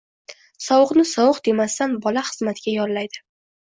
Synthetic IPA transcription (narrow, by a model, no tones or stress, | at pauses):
sɒwʊqnɪsɒwɨqd̪e̞mast̪anbɒlaχɨzmat̪ʰɪɡʲajɒɾlajd̪ɪ